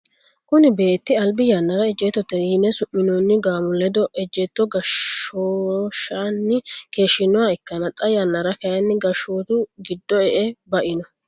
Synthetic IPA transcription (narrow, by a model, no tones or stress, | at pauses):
kʊnɪbe̞ːt̪ːɪɐlbɪjanːɐɾɐɛd͡ʒːɛt̪ːɔt̪ːɛjiːnːɛsʊmːɪnoːnːɪɡaːmʊlɛd̪ɔʔɛd͡ʒːɛt̪ːɔɡɐoːʃanːɪke̞ːʃːɪnːɔwaɪkːɐnɐt̪ʼɐjanːɐɾɐkɐjɐnːɪɡɐʃoːt̪ʊɡɪd̪ːɔɛʔɛbɐʔɪnɔ